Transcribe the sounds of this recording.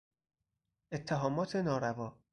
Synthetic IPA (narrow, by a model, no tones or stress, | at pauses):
ʔet̪ʰːeɦɒːmɒːt̪ʰe̞nɒːɾævɒː